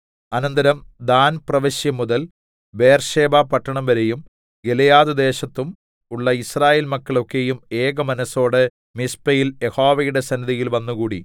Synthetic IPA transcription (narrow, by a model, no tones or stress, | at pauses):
ɐnɐnd̪ɐɾɐmd̪aːnprɐʋɐɕjɐmːuðɐl | be̞ːrʂe̞ːbaːpɐʈːɐɳɐmʋɐɾejum | ɡelɐjaːðud̪e̞ːɕɐt̪ːum | uɭːɐisraːjeːlmɐkːɐɭo̞kːe̞jume̞ːɡɐmɐnɐso̞ːɽɨ | mispɐjiljeho̞ːʋɐjuɽe̞sɐnːiðijilʋɐnːuɣuːɽḭ